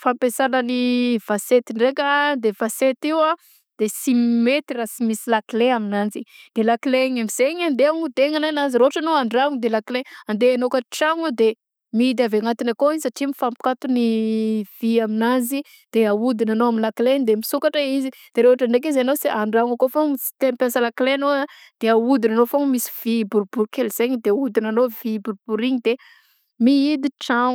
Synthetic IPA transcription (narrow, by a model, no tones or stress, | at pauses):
fampesanəniv̥aset̪iɳɖ͡ʐekʲad̪evaset̪iwa | d̪̥esimmet̪irasimisilakileaminand͡zid̪̥elakileɲamiz̥eɲand̪eaŋud̪eŋananaziɾoɦaʈ͡ʂanoaɳɖ͡ʐaŋud̪elakileand̪eanokaʈ͡ʂaŋod̪e | mid̪aveŋat̪inakoizisaʈ͡ʂimifampi̥kat̪univ̥iaminazi | d̪̥eaud̪inanoaminlakleɲd̪emisukaʈ͡ʂaizi | d̪̥eɾeoaʈ͡ʂaɳɖ͡ʐekizanosiʔaɳɖ͡ʐaŋakofoŋsi̥t̪enpasalaklenoa | d̪̥eaud̪inanofoŋmisi̥v̥ibuɾbuɾkelz̥eɲid̪eud̪inanovibuɾb̥uɾiɲid̪e | miid̪iʈ͡ʂaŋ